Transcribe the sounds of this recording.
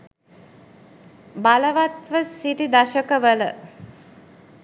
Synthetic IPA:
baləʋat̪ʋəsiʈid̪aʃəkəʋələ

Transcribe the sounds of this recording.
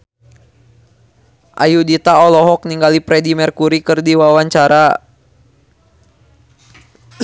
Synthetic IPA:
ʔa̰judit̪aɔlɔɦɔk̚niŋɡalipɾɛdimɛrkuɾikɨrdiwawaɲt͡ʃaɾa

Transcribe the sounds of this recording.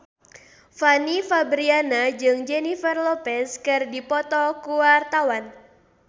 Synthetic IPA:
fanifabɾianad͡ʒɨŋd͡ʒɛnifərlɔpɛskɨrdipɔt̪ɔkuwart̪awan

